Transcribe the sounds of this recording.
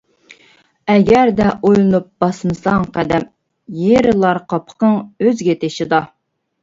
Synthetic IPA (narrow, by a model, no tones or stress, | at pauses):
ɛɡʲæɾd̪ɛʔojlˠɨnup̚b̥ɑsmɨsɑŋqʰæd̪ɛm | jeɾɪlˠɑɾqʰɑpʰə̥qəŋøzɡʲɛt̪ʰeʃɪd̪ɑ